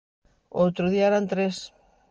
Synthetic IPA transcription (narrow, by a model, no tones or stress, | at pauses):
owt̪ɾoðiaɾant̪ɾes